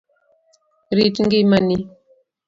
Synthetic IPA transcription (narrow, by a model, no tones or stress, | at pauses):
ɾitiŋɡimani